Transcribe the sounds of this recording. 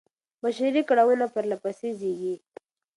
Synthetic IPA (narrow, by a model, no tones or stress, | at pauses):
baʃaɾikaɽawənapəɾlapasezeɡi